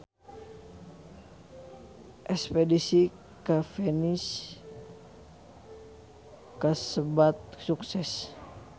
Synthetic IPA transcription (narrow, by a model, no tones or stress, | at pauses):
ʔɛspɛdisi | kafɛnis | kasəbat̪̚suksɛs